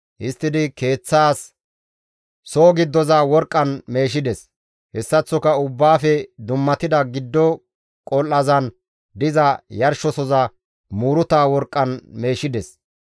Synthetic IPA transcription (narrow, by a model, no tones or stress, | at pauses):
ʔɪst̪ːɪd̪ɪke̞ːt͡sːaːs | oːɡɪd̪ːɔzawɔɾkʼːɐnme̞ːʃ̬ɪd̪ɛs | hɛsːɐt͡sːɔkɐʊbːaːfɛd̪ʊmːɐt̪ɪd̪ɐɡɪd̪ːɔ | kʼɔlːɐzɐn | d̪ɪzɐjɐɾʃɔsɔzɐ | muːɾʊt̪aːwɔɾkʼːɐnme̞ːʃɪd̪ɛs